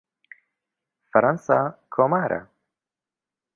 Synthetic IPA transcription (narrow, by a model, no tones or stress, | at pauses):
fɾansakʰɔmaɾa̰